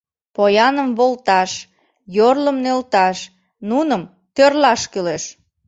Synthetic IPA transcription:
pojɑnəmβolt̪ɑʃ | jorləmnølt̪ɑʃ | nunəm | t̪ørlɑʃkeleʃ

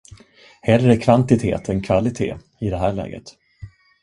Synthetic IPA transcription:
hɛlːɾækʰvant̪ɪt̪ʰḛːt̪ɛnkʰvalɪt̪ʰḛː | ɪd̪ɛɦæːɭɛ̰ːɡə̰t̪

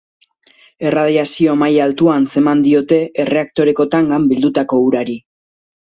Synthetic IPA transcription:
e̞raðiasio̞amajalt̪uanse̞mand̪io̞t̪e̞ʔere̞ak̚t̪o̞ɾe̞ko̞t̪aŋɡambild̪ut̪ako̞uɾaɾi

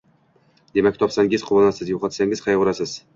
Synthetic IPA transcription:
d̪̥e̞mak̚ʲt̪ʰɒpsaŋɡɪzqʰʊbɒnasɪzjoqʰɑt̪saŋɪz̥qʰɑjʁʊɾasɪz

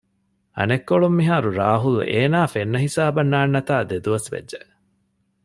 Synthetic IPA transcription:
ɐ̰nekːoɭumːiɦaːɾuɾaːɦuleːnaːfenːɐɦisaːbɐnːaːnːɐt̪aːd̪ed̪uʋɐsʋḛdʒe

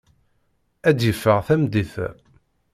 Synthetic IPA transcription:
æd̪jəfːəʁθæmd̪iθ

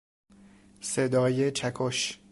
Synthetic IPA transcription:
sed̪ɒːjet͡ʃʰækʰoʃ

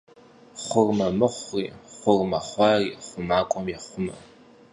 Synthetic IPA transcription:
χʷʊrmɐmɨχʷriːχʷʊrmɐχʷɑriːχʷʊmaːkʷʼɔmjɛχʷʊmɐ̰

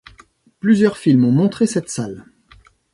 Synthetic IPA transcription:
plyzjœʁfilmɔ̃mɔ̃t̪χesɛt̪sal

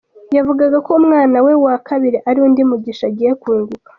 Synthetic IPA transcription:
javuɡaɡako̞umŋaːnawe̞wakaβiɾiʔaɾiundimuɟiʃaɟije̞kwuːŋɡukḁ

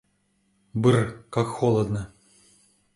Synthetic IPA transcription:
bɨrkakxolˠəd̪nə

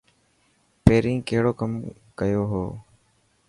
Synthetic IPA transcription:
peːɾĩːkəɦɽoːkəm | kəjoːɦoː

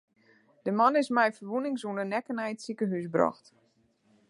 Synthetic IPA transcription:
d̥əmanɪsmɛjfərʋunɪŋsunənɛkənɛjətsikəɦysbrɔ̰xt

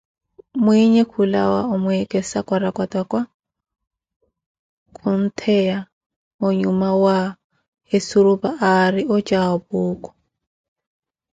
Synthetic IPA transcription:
mwiɲɛkʰula̰wa̰ʊmʊɛkʼɛsakʼwaɾakwatʼakʼwa | kʰʊn̩tʰɛja | ʊɲumawa | hesuɾʊbaʔarɪʔɔt͡ʃʼaɔbʊːkʼɔ̥

